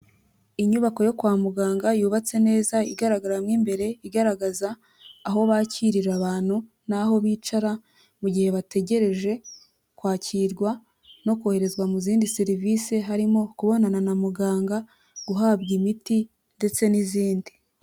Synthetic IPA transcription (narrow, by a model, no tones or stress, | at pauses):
iɲuβako̞jo̞kwaːmuɡaːŋɡajuːβat͡se̞ne̞ːzaiɡaɾaɡaɾamŋiːmbe̞ɾe̞iɡaɾaɡazaː | ɦo̞βaciɾiɾaβaːn̥hu | naɦo̞βiːt͡ʃaɾa | muɟihe̞βate̞ɟe̞ɾe̞ʒe̞ | kwaːciɾɡwa | no̞kohe̞ɾe̞zɡwamuziːndiseɾiviːseɦaɾimo̞kuβo̞nananamuɡaːŋɡa | ɡ̥uɦabɡimiti | nde̞t͡se̞niziːndi